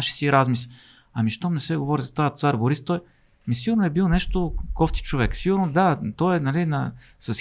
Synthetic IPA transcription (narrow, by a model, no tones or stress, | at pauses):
aʃi̥siɾazmis | ɐmiʃt̪ɔmnɛsɛɡovɔɾizɐt̪ajət̪saɾboɾist̪ːɔj | misiɡʊɾnoɛbilˠonɛʃt̪okɔft̪i̥t͡ʃovɛksiɡʊɾnod̪at̪ɔɛnɐlinɐsɐs